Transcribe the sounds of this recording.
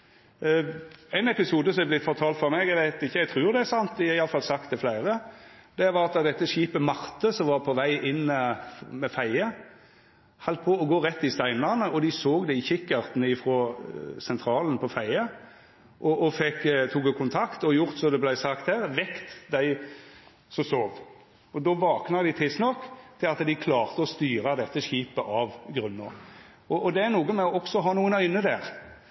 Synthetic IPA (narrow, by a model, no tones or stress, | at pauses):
æɪnɛpɪsuːd̪əsɔmɛblɪt̪fɔʁt̪ʰɑːlt̪fɔʁmɛɡæɪʋæɪt̪ɪçːəɛɪt̪ʰʁʉːɾd̪ɛæsɑnt̪d̪ɪɛɪɑləfɑlsɑkt̪d̪ɛflæɪʁəd̪̥ɛʋɑɾɑt̪̚d̪ɑd̪ɛt̪ːəɕiːpəmɑʁt̪əsɔmʋɑːʁpʰɔʋæɪʔɪnː | mɛfæɪə | hɑlt̪̚pʰɔɔɡoːʁɛt̪ːɪst̪æɪnəʁnəɔd̪ɪsoːɡd̪ɛɪçɪkːɑʁt̪nəɪfɾoːsɛnt̪ʰɾɑːlən̩pʰɔfæɪɑ | ʔɔʔɔfɛkːt̪ʰuːɡəkʰʊnt̪ʰɑkt̪ɔjʊʁt̪sɔd̪ɛblæɪsɑkt̪hæːʁʋɛkt̪d̪æɪ | sɔsoːʋ | ɔd̪ɔːʋɑːknɑd̪ɪt̪ʰɪst̪nɔkːt̪ʰɪlɑt̪d̪ɪkʰlɑːʁt̪əɔst̪yːʁəd̪ɛt̪ːəʃiːpəʔɑʋɡɾʉnːɔ | ɔʔɔd̪ɛæʁnuːɡəmɛɔɔksɔɦɑːnuːənœʏnəd̪æːʁ